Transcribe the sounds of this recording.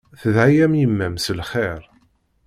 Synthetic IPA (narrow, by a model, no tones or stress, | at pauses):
θəðʕajæmjəmːæmsəlχeɾˤ